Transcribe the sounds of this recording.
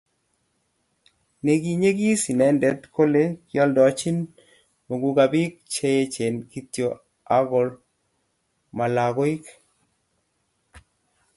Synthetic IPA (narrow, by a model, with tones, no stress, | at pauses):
ne˨ɡi˨ɲe˦ɡi˦si˨nɛ˦ndɛ˨˦t̪kʰo˦le˦kjɔ˦ldɔ˨t͡ʃi˦n | mo˨ɡu˨ka˨bi˦k̚t͡ʃe˦e˦t͡ʃe˨nki˦tjo˨ | a˦ɡɔ˨˦l | ma˨la˨ɡɔ˦i˦k